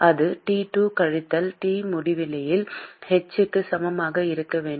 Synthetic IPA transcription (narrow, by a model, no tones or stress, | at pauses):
ʔɐðɯʈiːʈuːkɐɻɪt̪ːɐlʈiːmʊɽɪʋɪlɐjɪlhɛt͡ʃːɯkːɯsɐmɐmaːɣɐɪɾɯkːɐʋeːɳɖ